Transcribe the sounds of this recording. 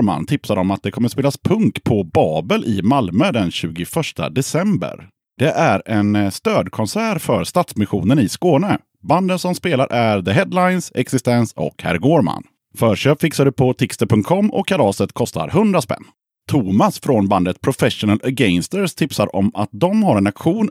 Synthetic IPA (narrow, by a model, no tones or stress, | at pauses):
ma̰nt̪ʰɪpsaɾɔmat̪̚d̪ɛkʰɔmːəspeːlaspʰɵŋkpʰɔbɑːbəlʔɪmalmœd̪ɛnɕʉ̟ːɡʊfœʂʈa̰d̪ɛsɛmbə̰ɾ | d̪̥ɛʔæɾɛnst̪øːd̪kʰɔnsæːɾfœɾst̪at̪smɪɧuːnənɪskoːnə | band̪ənsɔmspeːlaɾʔæɾðəɦɛd̪lajnsɛksɪst̪ɛnsɔ̰khæ̰ɾɡoːɾma̰n | fœːɾʂøːpfɪksaɖ̪ɵpʰɔt̪ʰɪkst̪əpʰɵŋt̪̚kʰɔmːɔ̰kʰːalɑːsət̪kʰɔst̪ʰa̰ɾɦɵnd̪ɾaspɛ̰nː | t̪ʰuːmasfɾɔnband̪ət̪pʰɾʊfɛʂʊnələɡɛɪnst̪əɾst̪ʰɪpsaɾʔɔ̰mat̪̚d̪ɔmɦaɾɛnakɧuːn